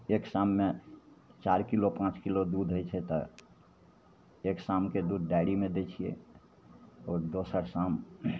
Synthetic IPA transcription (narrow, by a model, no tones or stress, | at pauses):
eksamːe | t͡ʃaɾkilopãt͡ʃkilod̪ud̪ʱɦojt͡ʃʰɛt̪ɔ | eksamked̪ud̪ʱɖaɪɽimed̪et͡ʃʰiḛ | ɔːɾd̪osəɾsam